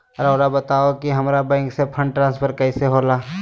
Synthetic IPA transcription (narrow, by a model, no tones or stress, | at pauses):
əɾoːɾabət̪aːokiɦɐmɾabɛ̃ːŋksepʰə̃ɳɖʈɾãːnspʰəɾkɛɪseɦoːlaː